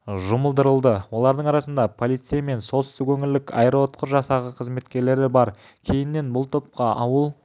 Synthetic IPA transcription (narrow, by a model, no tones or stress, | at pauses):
ʒʊməlˠd̪əɾəlˠd̪əwo̞lˠɑɾd̪əɴɑɾɑsənd̪ɑpʰo̞lˠijt̪sijame̞nso̞lˠt̪ʏst̪ɪkwɵŋɪlːɪkʰɑ̰jɾot̪qʰəɾʒɑsɑʁəqʰəzme̞t̪kʲe̞ɾle̞ɾɪbɑɾ | kʲʰe̞jɪnːe̞nbʊlˠt̪ʰop̚qɑʔɑwəlˠ